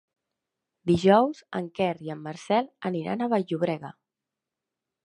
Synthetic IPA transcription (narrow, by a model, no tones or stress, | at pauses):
d̪iʒɔwz̥ə̰ŋkɛriəmːəɾsɛləniɾa̰nəβaʎʎuβɾɛɣə